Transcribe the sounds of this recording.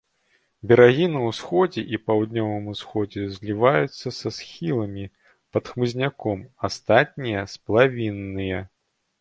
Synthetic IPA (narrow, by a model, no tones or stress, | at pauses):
bʲɛɾaɣʲinɐwsxɔd͡zʲɛʔipawd̪nʲɔvɨmusxɔd͡zʲɛzʲlʲivajut̪sːɐsɐsxʲilˠɐmʲi | pɐt̪xmɨzʲnʲakɔmast̪at̪̚ʲnʲijɐspɐlˠavʲinːɨjɐ